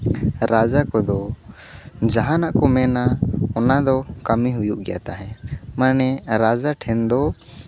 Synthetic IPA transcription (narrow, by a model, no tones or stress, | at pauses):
ɾad͡ʒakɔd̪ɔ | d͡ʒaɦãnaʔkɔmɛnaɔnad̪ɔkəmiɦujuʔɡɛja̰t̪aɦɛ̃manɛɾad͡ʒaʈʰɛnd̪ɔ